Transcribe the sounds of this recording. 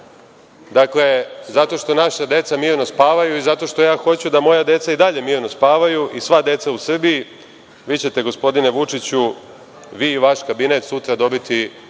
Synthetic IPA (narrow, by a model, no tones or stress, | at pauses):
d̪akle̞zat̪o̞ʃt̪o̞naʃad̪e̞t̪samiːɾno̞spaːʋajuizat̪o̞ʃt̪o̞jaːxo̞t͡ɕud̪amo̞jad̪e̞t̪said̪aʎe̞miːɾno̞spaːʋajuʔisʋad̪e̞t̪sausr̩biji | ʋiːt͡ɕe̞t̪e̞ɡo̞spo̞d̪ine̞ʋut͡ʂit͡ɕu | ʋiːʋaʃkabine̞t̪sut̪ɾad̪o̞bit̪i